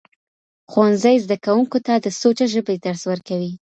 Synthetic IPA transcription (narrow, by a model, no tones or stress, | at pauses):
xwanzajzd̪akawuŋkot̪ad̪əsot͡ʃaʒəbed̪aɾswəɾkawi